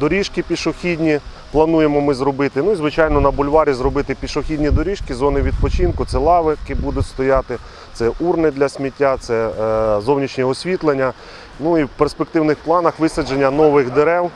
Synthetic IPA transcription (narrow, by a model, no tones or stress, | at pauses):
d̪ɔɾʲiʃkɪpʲiʃɔxʲidʲnʲi | plˠɐnujemɔmɪzrɔbɪt̪ɪnuizʋɪt͡ʃɑjnɔnɐbʊlʲʋɑɾʲizɾɔbɪt̪ɪpʲiʃɔxʲidʲnʲid̪ɔɾʲiʃkizɔnɪʋʲid̪̚pɔt͡ʃinkʊt̪sɛlˠɑʋɪkɪbud̪ʊtʲst̪ɔjɑt̪ɪ | t̪sɛʔurnɪd̪lʲɐsʲmʲitʲːat̪sɛzɔwnʲit͡ʃnʲɛɔsʲʋʲit̪lˠenʲːɐ | nuiwperspek̚t̪ɪwnɪxplˠɑnɐxʋɪsʲɐd͡ʒenʲːɐnɔʋɪxd̪eɾɛw